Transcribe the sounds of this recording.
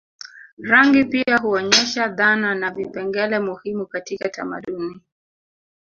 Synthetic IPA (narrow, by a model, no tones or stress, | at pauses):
ɾaŋɡipiaɦuɔɲɛʃaðananavipɛŋɡɛlɛmuhimukatikatama̰ɗuni